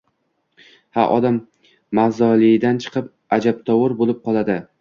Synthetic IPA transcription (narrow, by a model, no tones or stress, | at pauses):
ha̰ʔɒ̰d̪amː | azɒlˠɪd̪ant͡ʃʰɨ̥qʰɨp̚ | ad͡ʒap̚t̪ʰɒwʊɾbolˠɪp̚qʰɒlˠad̪ɪ